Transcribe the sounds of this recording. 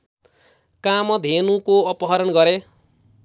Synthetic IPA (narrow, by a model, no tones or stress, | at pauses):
kamʌd̪ʱenukoʌpʌɦʌɾʌnɡʌɾe